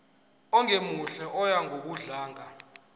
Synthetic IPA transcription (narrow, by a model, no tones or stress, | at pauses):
ɔŋʱemuɬɛʔɔjaŋʱok̬uɮaːŋa